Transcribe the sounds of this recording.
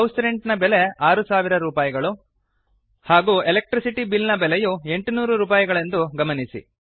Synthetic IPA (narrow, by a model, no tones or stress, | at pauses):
ɐwsɾeɳʈnɐbeleaːɾusaːʋiɾɐɾuːpaːjiɡɐɭu | haːɡuːelek̚ʈɾisiʈibilnɐbɛlejue̞ɳʈunuːɾuɾuːp̬aːjiɡɐɭend̪uɡɐmɐnisḭ